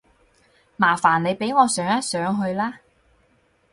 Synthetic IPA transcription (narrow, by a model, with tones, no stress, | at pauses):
maː˨˩faː˨˩nle˨˧jpe˨˥jŋɔː˨˧sœː˨˥ŋjɐ˥t̚sœː˨˥ŋɦɵ˧ɥlaː˥